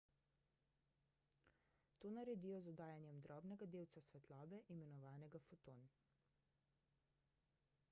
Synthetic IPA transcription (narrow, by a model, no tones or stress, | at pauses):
t̪oːnaɾɛd̪iːjɔzɔd̪aːjanjɛmd̪ɾɔːbnɛɡad̪eːwt̪sasʋɛt̪lɔːbɛʔimɛnɔʋaːnɛɡafot̪oːn